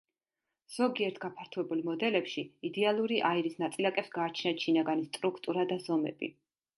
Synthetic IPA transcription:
z̥ɔɡiɛɾt̪ʰɡ̥apʰaɾt̪ʰuɛbulˠmɔd̪ɛlɛpʃiid̪ɛalˠuɾiʔaiɾisnat̪sʼilakʼɛpsɡaːt͡ʃʰnat̪ʃinaɡanist̪ʼɾukʰt̪ʼuɾad̪azɔmɛ̰b̥ḭ

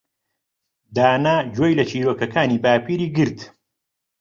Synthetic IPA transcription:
d̪aːnaːd͡ʒojlɐt͡ʃʰiːɾoːkɐkʰaːniːbaːpiɾiːɡɨɾt̪

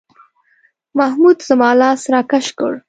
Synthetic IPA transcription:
mahmud̪zəmɑːlɑsɾɑkaʃkə̰ɽ

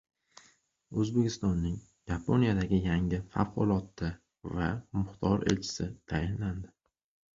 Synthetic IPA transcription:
ɵzbekʲʰɪst̪ɒnːɪŋ | japʰonijad̪aɡʲɪjaŋɪfa̰vqʊ̰lˠɒt̪ʰːɪ | vamʊχt̪ʰɒɾḛlt͡ʃʰɪ̥sɪt̪ʰajɪnland̪ɪ

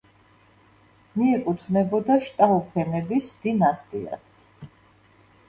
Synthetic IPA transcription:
miɛkʼut̪ʰvnɛbɔd̪aʃt̪ʼaupʰɛnɛbisd̪̥inast̪ʼḭa̰s

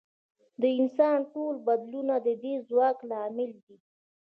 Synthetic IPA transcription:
d̪əɪnsɑnʈolbad̪lunad̪əd̪ezwɑklɑmɪld̪i

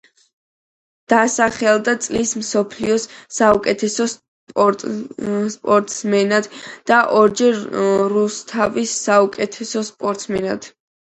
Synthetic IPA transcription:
d̪̥asaχɛlˠd̪at̪sʼlismsɔpʰliɔsːaukʼɛt̪ʰɛsɔ | spʼɔɾt̪ʼsmɛnad̪̥d̪̥aʔɔɾd͡ʒɛɾɾust̪ʰavisːaukʼɛt̪ʰɛsɔspʼɔɾt̪ʼsmɛnad̪̥

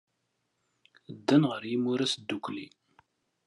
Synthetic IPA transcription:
d̪ːænʁəɾjimʊɾæsd̪ːuklḭ

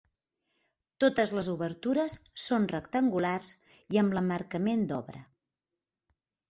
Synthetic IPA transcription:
t̪ot̪əzləzuβəɾt̪uɾəsːonrəkt̪əŋɡularz | iəmləmərkəmend̪ɔβɾə̰

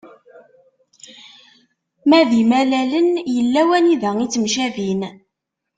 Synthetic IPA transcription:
mæðimælælənjəlːæwæniðəit͡sːəmʃævin

